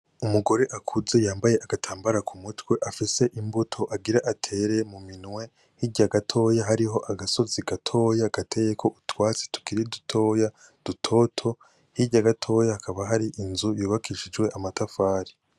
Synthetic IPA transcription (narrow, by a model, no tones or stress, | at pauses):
umuɡo̞ɾe̞ʔakʰuzejaːmbaje̞ʔaɡatʰaːmbaɾakʰumutwe̞ʔafise̞ʔimbutʰo̞ʔaɡiɾaʔatʰe̞ɾe̞muminŋwe̞ | hiɾɟaɡatʰo̞ːjaɦaɾiɦo̞ʔaɡaso̞ziɡatʰo̞ːjaɡ̥atʰe̞jekʰo̞ʔutwaːt͡se̥tu̥kiɾidutʰo̞ːja | d̥utʰo̞tʰo̞ | hiɾɟaɡatʰo̞ːjahakʰaβaɦaɾiʔinzujuːβakiʃid͡ʒwe̞ʔamatafaːɾi